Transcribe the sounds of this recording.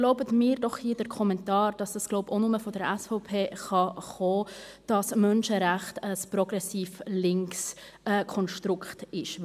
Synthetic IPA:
ɡ̥loʊbətmɪːɾdɔχhiːdəɾkʰɔmɛntɑːɾd̥ɑsd̥ɑsɡ̥loʊponʊməfɔdəɾɛsfɔʊpʰeːχɑχɔː | d̥ɑsmœnʃəɾæχtəsprɔɡ̥ɾɛsiːflɪŋksɛːkʰɔnʃtɾʊkχtɪʃ

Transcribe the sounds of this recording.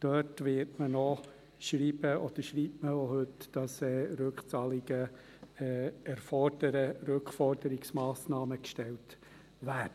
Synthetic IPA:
d̥œtʋɪːɾtmənɔ | ʃɾiːbəʔɔd̥̪əʃɾiːtməohɵtd̥ɑsɛːɾʉkχt͡sɑːlɪɡ̥ə | ɛæɾfɔrd̥əɾəɾʉkχfɔrd̥əɾɪksmɑːsnɑːməkʃtɛlt | ʋædə

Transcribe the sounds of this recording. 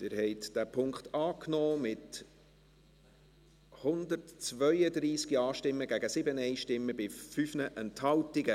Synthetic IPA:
tɪɾhɛɪtd̥æpʰʊŋkχt̪ɑːknɔːmɪt | hʊnd̪ətt͡svœʏəd̪ɾiːsɡiɑːʃtɪmːəɡæɡəsɪbənɛɪʃtɪmːəbɪfyfnəʔɛnthɑltɪɡə

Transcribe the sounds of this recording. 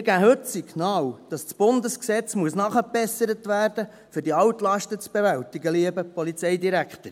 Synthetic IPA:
mɪɾɡæɦɵtsiknɑːwd̥ɑst͡sb̥ʊndəsksɛt͡smuəsnɑχəpɛsəɾətʋæːrd̥ə | fʏrdiɑwtlɑʃtət͡sb̥eʋæltiɡəliəbəpɔlit͡sɛɪdiɾækχt̪əɾ

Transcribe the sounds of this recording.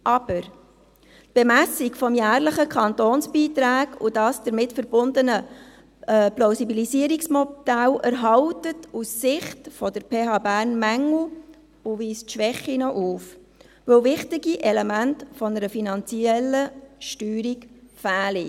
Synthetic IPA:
ʔɑb̥əɾ | tb̥emæsikfɔmjæːɾləχəkʰɑntoːnsbiːtɾæːkud̥ɑːsd̥əɾmɪtfəɾb̥ʊndənə | plaʊsibilisiəɾiksmɔd̥ælʔæɾɦɑltətusːɪχtfɔdəɾpʰeːɦɑːbæːɾnmæŋl̩ | uviːstʃʋɛχːinɔʔuːf | vɵwvɪχtiɡiʔɛlɛmæntfɔnəɾəfinɑnt͡siɛlːəʃtyːɾikfæːli

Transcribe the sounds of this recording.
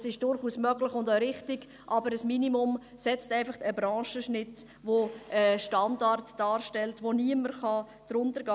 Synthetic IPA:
sɪʃd̥ʊɾχuːsmœɡlɪχʊndaɾɪχtɪɡ̥ | ʔɑbəɾəsminimʊm | sɛt͡stɛɪfɑχtəbɾɑ̃ːʃəʃnɪt | voʔəʃtɑndɑrtd̥ɑːɾʃtɛltʋoniəməɾχɑ | d̪̥ɾʊntəɾɡɑː

